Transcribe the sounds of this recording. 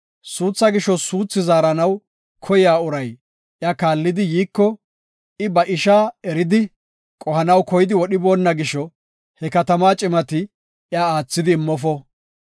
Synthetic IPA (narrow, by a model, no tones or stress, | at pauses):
suːt͡sːɐɡɪʃɔsuːt͡sːɪzaːɾɐnɐw | kʰɔjɪaːʊɾɐj | ʔjakaːlːɪd̪ɪjiːkːɔ | ɪbɐʔɪʃaːɛɾɪd̪ɪ | kʼɔhɐnɐwkɔjɪd̪ɪwɔɗɪbo̞ːnːɐɡɪʃːɔ | hɛkɐt̪ɐmaːt͡ʃʼɪmɐt̪ɪ | jaaːt͡sːɪd̪ɪːmːɔfɔ